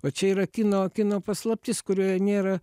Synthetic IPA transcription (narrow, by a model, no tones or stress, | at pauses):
oːt͡ʃʲɛiːɾɐkʲɪnoːkʲɪnoːpɐslˠɐp̚ʲt̪ʲɪskʊɾʲuːjɛnʲeːɾɐ